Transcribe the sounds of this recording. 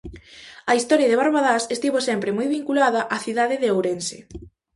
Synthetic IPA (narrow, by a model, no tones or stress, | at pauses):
ɐist̪ɔɾjaðeβ̞aɾβaðasest̪iβosɛmpɾemɔjβiŋkulaðɐʔaθiðaðɪðeowɾensḛ